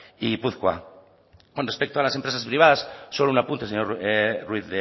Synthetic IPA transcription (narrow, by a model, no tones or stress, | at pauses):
ipuθkwa̰ | konrespek̚t̪oalasempɾesaspɾiβ̞aðasːolounapunt̪eseɲorwiθðe